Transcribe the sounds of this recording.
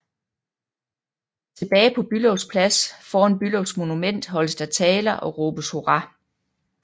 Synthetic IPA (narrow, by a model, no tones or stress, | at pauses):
t͡sʰe̝b̥ɛːɪpʰɒ̽b̥ylɔʊspʰlæsfɒːɐnb̥ylɔʊsmo̝numen̰d̥ɦɒ̽ləsd̥æt͡sʰɛːlɐʔɒ̽ʁɔːb̥əsho̝ʁɑ